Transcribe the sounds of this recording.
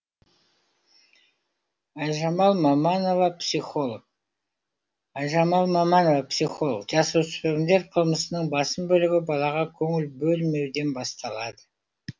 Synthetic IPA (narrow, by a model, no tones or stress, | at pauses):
ɑjʒɑmɑlˠmɑmɑno̞vɑpsiχo̞lˠok̚ | ɑjʒɑmɑlˠmɑmɑnovɑpsiχo̞lˠo̰qʒɑsusɾeɾʲɪnd̪e̞ɾqʰəlˠməsənəɴbɑsəmbɵlɪɡʲɪbɑlˠɑʁɑkʲʰɵŋɪlbɵlme̞wd̪e̞nbɑst̪ɑlˠɑd̪ə